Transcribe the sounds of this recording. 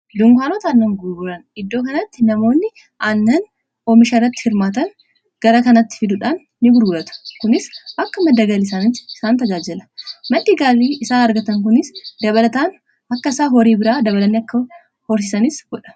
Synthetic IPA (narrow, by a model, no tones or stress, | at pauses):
d̪ʊŋkʷaːnoːt̪aːnːɐŋɡʊɾɡʊɾɐnɪd̪ːo̞ːkɐnɐt̪ːɪnɐmo̞ːnːɪ | ʔanːɐn | ɔːmɪʃɐrːɐt̪ːɪ̥hɪɾmaːt̪ɐn | ɡ̥ɐɾɐkɐnɐt̪ːɪ̥fɪd̪ʊᶑaːnːɪɡʊɾɡʊɾɐt̪ʊ̥kʊnɪsʔɐkːɐmɐd̪ːɐɡɐlɪsaːnɪtːɪ̥ɪsaːnt̪ɐd͡ʒaːd͡ʒɛlɐ̥mɐᶑiːɡaːliːɪsaːnɐɾɡɐt̪ɐŋk̬ʊnɪsd̪ɐβɐlɐt̪aːn | ɐkːɐɪsaːɦɔɾiːbɪɾaːd̪ɐβɐlɐnːɪɐkːɐ | hɔɾs̬ɪsɐnɪsɡ̥ɔᶑɐ̥